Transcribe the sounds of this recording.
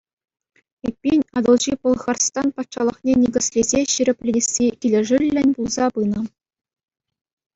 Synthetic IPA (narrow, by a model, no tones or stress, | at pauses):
epʲːinʲɑd̪ɤ̆lˠʑipŏlˠχɑrst̪ɑnpɑt̪ʂɑlˠɤ̆χnʲenʲiɡʲɘ̆sʲlʲezʲeɕiɾʲɘ̆pʲlʲesʲːiʔʲilʲɘ̆ʐɘlʲːɘ̆nʲbulˠzɑpɯnɤ̆